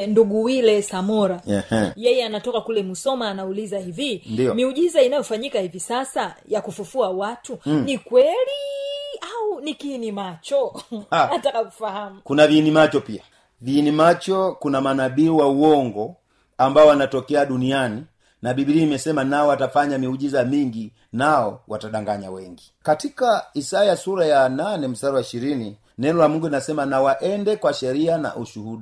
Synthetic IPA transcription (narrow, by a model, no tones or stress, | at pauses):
nduɡuwilɛsamɔɾaɛhjɛjɛanatɔkakulɛmusɔmaːnaulizahivinndiɔmiuʄizainajɔfaɲikahivisasajakufufuawatunikwɛliaunikinimat͡ʃɔatakakufahamukunaviːnimat͡ʃɔpia | viːnimat͡ʃɔkunamanabiwauwɔŋɡɔ | ambaɔwanatɔkɛaɗuniani | nabibiɾiimɛsɛmanaɔwatafaɲamiuʄizamiŋɡi | naɔwataɗaŋɡaɲa̰wɛŋɡi | katikaisajasuɾajananɛm̩saɾawaiʃiɾini | nɛnɔlamuŋɡuinasɛmanawaʔɛndɛkwaʃɛɾiana̰ʔuʃuhuɗa